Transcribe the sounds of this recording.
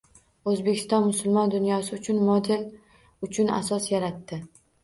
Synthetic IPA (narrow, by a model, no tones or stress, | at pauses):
ozbekʲʰɪ̥st̪ɒnmʊsʊlˠmɒnd̪ʊnjɒsɪʊt͡ʃʰʊnmɒd̪el | ʊt͡ʃʰʊna̰sɒsjaɾat̪ːɪ